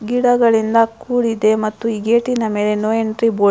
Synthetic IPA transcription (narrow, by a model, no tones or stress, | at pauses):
ɡiɽɐɡɐɭind̪ɐkuːɽid̪e̞mɐt̪ːuiːɡeːʈinɐme̞ːle̞noːjeɳʈɾiboː